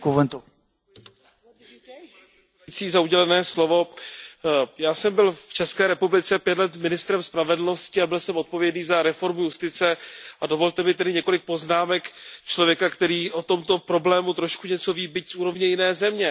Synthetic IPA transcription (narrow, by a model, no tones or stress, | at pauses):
kuvɛnt̪u | t͡siːzauɟɛlɛnɛːslo̞vo̞ | jaːsɛmbɪlft͡ʃɛskɛːɾɛpublɪt͡sɛpjɛt̪lɛt̪mɪnɪst̪ɾɛmspɾavɛdl̩no̞scɪabɪlsɛmʔo̞t̪̚po̞vjɛdniːzaɾɛfo̞ɾmujust̪ɪt͡sɛʔadovo̞lt̪ɛmɪt̪ɛdɪɲɛko̞lɪk̚po̞znaːmɛkt͡ʃlo̞vjɛkakt̪ɛɾiːʔo̞t̪o̞mt̪o̞pɾo̞blɛːmut̪ɾo̞ʃkuɲɛt͡so̞viːbɪcsʔuːɾo̞vɲɛjɪnɛːzɛmɲɛ